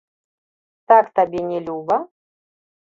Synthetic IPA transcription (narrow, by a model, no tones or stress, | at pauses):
t̪akt̪abʲɛnʲɛlʲuvɐ